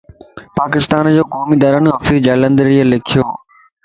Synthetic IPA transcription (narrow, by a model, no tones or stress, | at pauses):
paːkɪst̪aːnd͡ʑoːkɔːmid̪aːɾənɦɐfiːzd͡ʑaːlə̃nd̪ɾiəlɪkʰijoː